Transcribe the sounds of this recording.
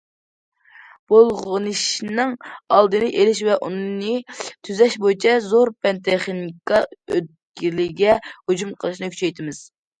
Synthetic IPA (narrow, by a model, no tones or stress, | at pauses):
b̥olˠʁənɨʃnɨŋɑlˠd̪ɨnɨʔelɪʃvɛʔunnɨt̪ʰyzɛʃbojit͡ʃʰɛzoɾpɛnt̪ʰeχnikɑøt̪̚kʲilɪɡʲɛhod͡ʒumqʰəlˠɨʃnɨkʲʰy̥t͡ʃʰɛjt̪ʰɪmɪz̥